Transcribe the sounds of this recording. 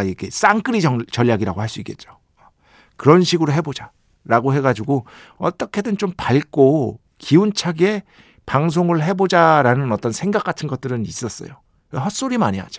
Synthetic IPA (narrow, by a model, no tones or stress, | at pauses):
ikʰes͈aŋk͈ɯɾiʌt͡ɕʌʎːaɡiɾaɡohaɭs͈uik͈et̚t͡ɕ͈o̥ | kɯɾʌnɕʰiɡɯɾoɦe̞bod͡ʑa | ɾaɡoɦe̞ɡad͡ʑuɡo | ʌ̰t͈ʌkʰe̞dɯnt͡ɕompaɭk͈o | kiunt͡ɕʰaɡe̞ | paŋs̬ʰoŋɯɭɦe̞bod͡ʑaɾanɯnʌt͈ʌnsʰeŋɡak͈atʰɯnɡʌt̚t͈ɯɾɯnis͈ʌs͈ʌ̰jo | eɦʌs͈oɾimaɲiɦa̰d͡ʑo̥